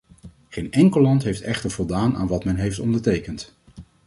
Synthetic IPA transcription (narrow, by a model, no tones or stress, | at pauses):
χejnɛŋkəlɑntɦejftɛχtəɹv̥ɔlˠdaːna̰ːnʋɑtmɛnɦejftɔndəɹtejkənt